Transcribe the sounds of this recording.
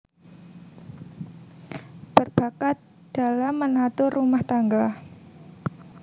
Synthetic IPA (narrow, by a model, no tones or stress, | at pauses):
b̥ərbakat̪̚ | d̥alamːənat̪ʊrumaht̪aŋɡa